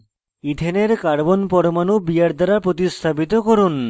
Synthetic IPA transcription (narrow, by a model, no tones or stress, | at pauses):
id̪ʱeneɾkaɾbonpɔɾomanubijaɾd̪aɾapɾot̪̬ist̪ʰapit̪okoɾun